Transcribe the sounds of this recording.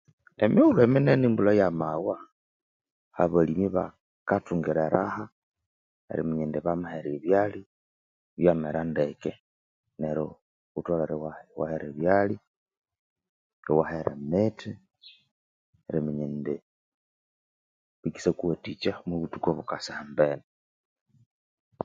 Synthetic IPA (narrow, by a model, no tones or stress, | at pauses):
emiulemenenimbulajamawa | ha̰βalimiβa̰ | katuːŋɡiɾeɾa̰ha | ḛɾḭmiɲindeβamaheɾeβjali | βjameɾandeke | neɾo | utwalaɾewahwa̰heɾeβjali | ɾiwaheɾḛmeti | ɾimiɲende | βiki̥sekuhatit͡ʃamwuβutukoβukasihambene